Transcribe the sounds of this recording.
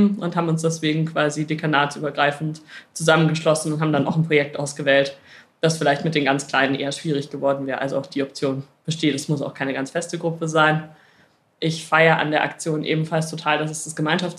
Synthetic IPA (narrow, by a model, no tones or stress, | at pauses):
ʔʊnthaːbm̩ʊnsd̥ɛsv̥eːɡŋ̩kʰv̥aːzidekʰanaːt͡sʔyːbɐɡʁaɪfn̩tt͡suzamənɡəʃlɔsn̩ʊnthaːbm̩dana̰ʊxnpʁ̥ojɛk̚tʔaʊsɡ̥əvɛːlt | d̥asfɪlaɪçtmɪt̚d̥eːnɡant͡skl̥aɪnənʔḛːɐʃv̥iːʁ̞ɪçɡ̥əvɔɐdn̩vɛːɐəʔa̰lzoʔaʊxd̥iːɔp̚t͡sjoːnb̥əʃteːtɛsmʊsa̰ʊxkʰaɪnəɡant͡sfɛstəɡʁʊpʰəzaɪn | ʔɪçfaɪɐʔa̰ndeːɐʔa̰kt͡sjoːnʔḛːbm̩falstʰotʰaːldas̬ɛsd̥asɡ̥əmaɪnʃaft͡s